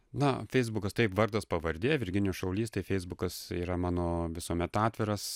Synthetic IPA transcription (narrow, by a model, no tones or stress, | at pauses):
nɐfʲɛɪzbʊkɐst̪ɐɪpʋɐɾd̪ɐspɐʋɐɾʲd̪ʲeːjʋʲɪɾʲɡʲɪnʲuʃɐʊlʲiːst̪ɐɪfʲɛɪzbʊkɐsiːɾɐmɑːnoːʋʲɪsuɔmʲɛt̪ɑːt̪ʲʋʲɪɾɐs